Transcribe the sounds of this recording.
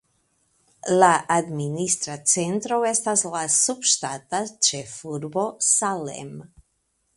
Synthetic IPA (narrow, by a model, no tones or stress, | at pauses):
laʔadminist̪ɾat͡se̞ntɾowe̞staslasubʃtatat͡ʃe̞fuɾbo̞salḛm